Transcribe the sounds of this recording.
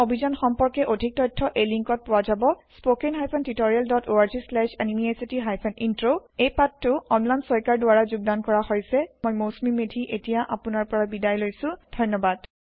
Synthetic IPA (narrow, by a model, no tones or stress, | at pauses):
obʱizɔnxɔmpɔɹkɛʔodʱik̚tɔjtʰːɔʔejliŋkɔt̚pʊwazabɔspokeŋɦajpʰɛntitoɹialdɔtʰoaɹzislɛʃanimiesitiɦajpʰɛnintɹoejpatːʊɔnlansɔjkaɹdʊwaɹazuɡ̚dankɔɹahojsɛmojmosmimedʱiʔetijaʔapʊnaɹpɔɹabidajlojsʊ̃d̥ʱɔjnɔbad